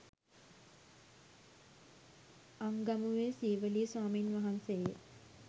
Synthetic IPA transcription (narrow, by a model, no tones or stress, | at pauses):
aŋɡamuʋeːsiːʋəliːswaːmiːnʋaɦanseje